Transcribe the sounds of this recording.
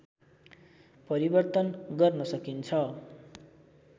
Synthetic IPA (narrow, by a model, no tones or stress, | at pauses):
pʌɾibʌrt̪ʌnɡʌrnʌsʌkint͡sʰʌ